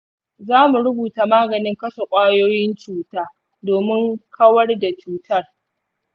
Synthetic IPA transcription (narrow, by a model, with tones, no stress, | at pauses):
zaː˦mu˨ɾʊ˦buː˨taː˦maː˦ɡɐ˨nɪ˦ŋkɐ˦ʃa˨kʷʼaː˦joː˦jɪ˦nt͡ʃuː˦taː˦ | doː˨mɪ˦ŋkʰɐ˦wɐ˦rda˨t͡ʃuː˦tʰɐ˦˨r